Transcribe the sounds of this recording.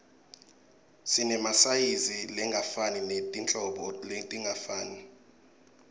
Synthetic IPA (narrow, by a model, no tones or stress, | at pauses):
sinɛmasajizilɛŋɡʱafaninetʼint͡ɬʼɔɓɔltʼiŋɡʱafaːni